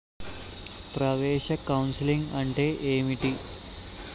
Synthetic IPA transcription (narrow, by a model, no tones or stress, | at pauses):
pɾɐʋeːʃɐkɐwnsiliŋɡɐɳʈeːʔeːmiʈi